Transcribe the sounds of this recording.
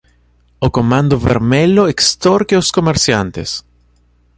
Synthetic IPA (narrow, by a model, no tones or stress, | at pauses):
okomãnd̪oβḛɾmeloekst̪oɾkeoskomeɾsjant̪ḛs